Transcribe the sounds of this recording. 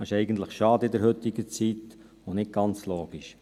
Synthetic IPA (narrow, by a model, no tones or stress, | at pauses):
ɑɪʃɛɪɡən̩t̪ləχʃɑːd̪əɪd̪ɛɾhɵt̪ːɪɡət͡sit̪ | ɔnɪt̚ɡ̥ɑnt͡sloːɡ̥iʃ